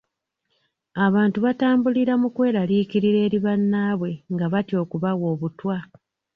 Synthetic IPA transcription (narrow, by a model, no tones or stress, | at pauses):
aβaːntuβataːmbuliɾamukwe̞ːɾaliːkiɾiɾe̞ːɾiβanːaːβwe̞ŋɡaβatjo̞ːkuβaɣwo̞ːβutwa